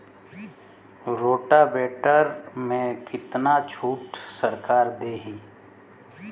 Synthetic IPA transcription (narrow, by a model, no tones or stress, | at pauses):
ɾoːʈabɛːʈəɾmẽkɪt̪nat͡ʃʰuːʈsəɾkaːɾd̪eːɦĩ